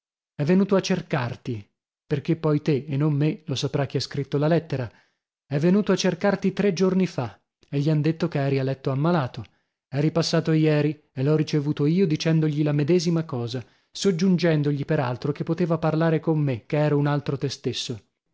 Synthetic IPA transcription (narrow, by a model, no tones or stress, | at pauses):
ɛvːenuːt̪oat͡ʃːerkart̪i | perk̟epːɔjt̪eːnːommelosapɾak̟iɛskɾit̪ːolalɛt̪ːeɾa | ɛvːenuːt̪oat͡ʃːerkart̪it̪ɾed͡ʒornifa | eʎːiand̪et̪ːokeɛːɾialɛt̪ːoamːalaːt̪o | ɛɾijpasːaːt̪ojɛːɾi | elɔrit͡ʃevuːt̪oiːod̪it͡ʃɛnd̪oʎilamed̪ɛːzimakɔːza | sod͡ʒːund͡ʒɛnd̪oʎipeɾa̰lt̪ɾok̟epːot̪eːvaparlaːɾekomːek̟ːeɛːɾaunalt̪ɾot̪est̪esːo